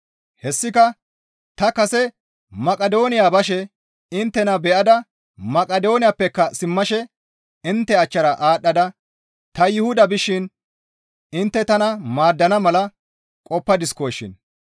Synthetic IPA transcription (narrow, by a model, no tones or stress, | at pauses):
hɛsːɪkɐ | t̪ɐkɐsɛ | mɐkʼɐd̪o̞ːnɪjaːbɐʃ̬ɛ | ɪnt̪ːɛnɐbɛʔɐd̪ɐ | mɐkʼɐd̪o̞ːnɪjapːɛkːɐsɪmːɐʃɛ | ɪnt̪ːɛɐt͡ʃːɐɾɐʔaːɗːɐd̪ɐ | t̪ɐjɪhʊd̪ɐbɪʃːɪn | ɪnt̪ːɛt̪ɐnɐmaːd̪ːɐnɐmɐlɐ | kʼɔpːɐd̪ɪskojʃːɪ̰n